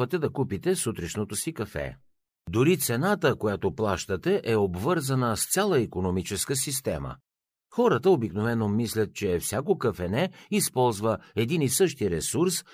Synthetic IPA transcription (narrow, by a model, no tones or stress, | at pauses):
ət̪ɛd̪ɐkupit̪ɛsut̪ɾɛʃnot̪osikɐfɛ̰ | d̪oɾit̪sɛnat̪əkojat̪oplˠaʃt̪ət̪ɛʔɛobvɤɾzɐnəst̪sʲjalˠəikonomit͡ʃɛskəsist̪ɛ̰mə̰ | xɔɾət̪əobiknovɛnomislʲɐt̪̚t͡ʃɛfsʲjakokɐfɛnɛispɔlˠzvəɛd̪inisɤʃt̪iɾɛsuɾs